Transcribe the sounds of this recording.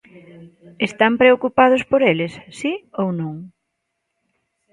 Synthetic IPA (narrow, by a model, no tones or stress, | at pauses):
est̪ampɾeokupað̞ʊspoɾelɪsːiownõŋ